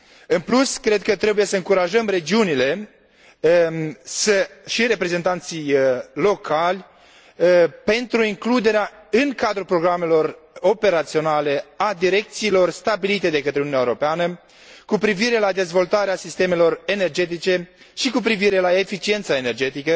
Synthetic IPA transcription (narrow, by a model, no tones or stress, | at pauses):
ɨnpluskɾe̞d̪̚kət̪ɾe̞buje̞səɨŋkuɾaʒəmre̞d͡ʒiunile̞ | səʃiɾe̞pɾe̞ze̞nt̪ant̪sijlo̞kʰalʲ | pe̞nt̪ɾuiŋklud̪e̞ɾeaɨŋkad̪ɾulpɾo̞ɡɾame̞lo̞ro̞pe̞ɾat̪sio̞nale̞ad̪iɾe̞k̚t̪siːlo̞rst̪abilit̪e̞d̪e̞kət̪ɾeununʲaeoɾo̞peanə | kupɾiviɾe̞lad̪e̞zvo̞lt̪aɾeasist̪e̞me̞lo̞re̞nerd͡ʒe̞t̪it͡ʃe̞ | ʃikup̬ɾiviɾe̞laefit͡ʃie̞nt̪sae̞ne̞rd͡ʒe̞t̪ikə